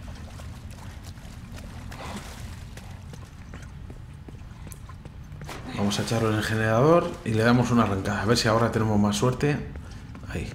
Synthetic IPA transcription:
bamo̞saet͡ʃaɾloenexe̞ne̞ɾaðo̞ɾile̞ðamo̞sunaraŋkaðaːβ̞eɾsiao̞ɾat̪e̞ne̞mo̞masːwe̞ɾt̪e̞ | ai

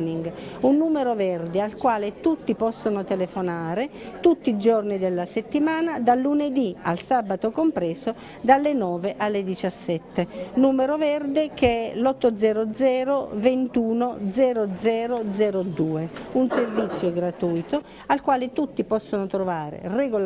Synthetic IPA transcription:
niŋɡunːuːmeɾovɛrd̪ealkwaːlet̪ut̪ːipɔsːonot̪elefonaːɾe | t̪ut̪ːiːd͡ʒornid̪elːaset̪ːimaːnad̪alːuned̪ia̰lsaːbat̪okompɾɛːso | d̪alːenɔːveʔalːed̪it͡ʃasːɛt̪ːenuːmeɾovɛrd̪ekeɛlɔt̪ːod̪zɛːɾod̪zɛːɾovent̪uːnod̪zɛːɾod̪zɛːɾod̪zɛːɾod̪uːeunservit̪sːjoɡɾat̪ujt̪o | alkwaːlet̪ut̪ːipɔsːonot̪ɾovaːɾḛreɡo

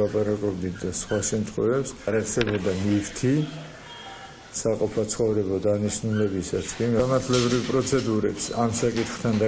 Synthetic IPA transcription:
apʼaɾakʼɔbd̪it̪̚ʰd̪asχwaʃɛmt̪ʰʼχʼɛvɛpsaɾaɾsɛbɔd̪anift̪ʰi | saqʼɔpʰat̪sʰχɔvɾɛbɔd̪aniʃnulɛbisasʰkʼimamaɾt̪ʰlɛbɾivpʼɾɔt̪sʰɛd̪uɾɛpsamsakʼit̪ʰχt̪ʰand̪a

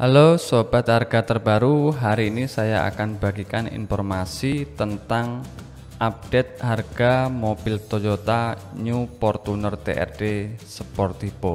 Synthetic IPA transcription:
ʔalosob̥at̪̚harɡ̥at̪ərbaɾuɦaɾiːnisajaa̰kanb̥aɡikanḭnfɔrmasit̪ənt̪aŋ | ʔap̚d̥et̪̚harɡ̥amobɪlt̪od͡ʒot̪a | ɲupɔrt̪unərt̪ḛʔɛ̰rdesəpɔrt̪ib̥o

